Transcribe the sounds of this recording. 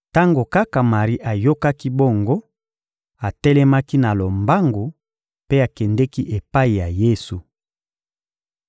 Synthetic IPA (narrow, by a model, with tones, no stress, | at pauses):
ta˦ŋɡo˨ka˦ka˨ma˨ʁi˦ʔa˨jo˦ka˦ki˦bo˦˨ŋɡo˦ | a˨tɛ˦lɛ˦ma˦ki˦na˨lo˨mba˦ŋɡo˨ | pe˦a˨kɛ˨ndɛ˦ki˦ʔe˨pa˦i˨ja˨je˦su˨